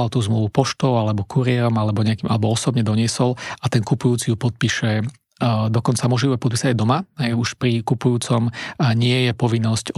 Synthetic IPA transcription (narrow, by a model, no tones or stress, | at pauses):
alt̪uːzmluʋupɔʃt̪ɔʊalɛbɔkʰuɾɪɛɾɔmalɛbɔɲɛakiːmʔa̰lɛbɔɔsɔbɲɛd̪ɔɲɪɛsɔlat̪ɛnkupujuːt͡sijupɔt̪̚piʃɛ | d̪ɔkɔnt͡samuɔʒiɛpɔt̪̚pisaɟajd̪ɔmaɦɛjuʃpɾikupujuːt͡sɔmɲɪɛjɛpɔʋinːɔsc